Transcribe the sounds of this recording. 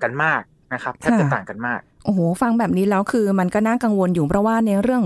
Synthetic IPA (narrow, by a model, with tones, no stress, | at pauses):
ka˧nmaː˥˩k̚na˦˥kʰa˦˥tkʰːa˩˧˥t̪aː˨˩ŋka˧nmaː˥˩k̚ʔʔoː˨˩˦fa˧ŋbɛː˨˩p̚niː˦˥lɛː˦˥wkʰɯː˧ma˧nkɔː˥˩na˥˩ŋka˧ŋwo˧njuː˨˩pʰɾɔ˦˥waː˥˩na˧˩ɾɯ˥˩əŋ